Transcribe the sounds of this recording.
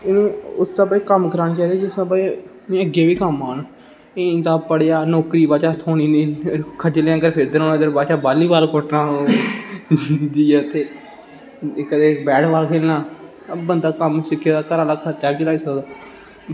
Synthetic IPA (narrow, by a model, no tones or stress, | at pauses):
ɪnũːʊst̪aːbaiːkəmkəɾaːnːt͡ʃaːiːd̪aːd͡ʒɪsãːbai | mɛ̃ːəɡeːʋiːkəmaːn | esaːpəɽejaːnɔːkɾiːbaːt͡ʃaːt̪ʰoːniːnĩːkʰəd͡ʒəleãːkəɾpʰɪɾd̪əɾõːnːd̪əɾbaːt͡ʃaːbaːliːbaːlkoʈnãː | d̪iːɛːʊt̪ʰːeː | kəd̪eːbɛːɽbaːlkʰeːlnãː | bənd̪aːkəmsɪkʰːjaːd̪aːkəɾaːlaːkʰət͡ʃaːbiːt͡ʃəlaːiːsəkd̪aː